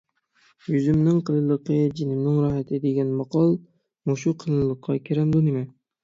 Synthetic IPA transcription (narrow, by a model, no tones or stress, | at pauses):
jʊzɪmnɪŋqɨlɨlˠɨqʰɨd͡ʒɪnɪmnɪŋɾɒhat̪ʰɪd̪eɡʲanmɑqʰɒlˠ | moʃʊqʰɨlˠɨlˠɨqʰːɑkʲʰeɾamd̪ʊnɪma